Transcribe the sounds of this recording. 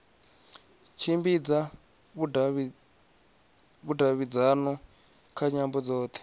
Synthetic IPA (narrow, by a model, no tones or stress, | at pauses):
t͡ʃʰimbid͡za | βu | βudʱaβid͡zanɔ | kʰaɲambɔd͡zɔːt̪ʰɛ̥